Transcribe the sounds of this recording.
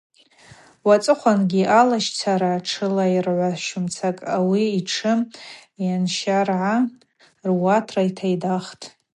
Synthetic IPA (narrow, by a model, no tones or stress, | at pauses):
wat͡sʼɨχʷanɡʲiʔalaʃt͡sʰaɾaːʈ͡ʂʰɨlairʕʷaʃʊmt͡sʰakʼawiːʈ͡ʂʰɨjanʃarʕa | rwatʰraitʰajdaχtʼ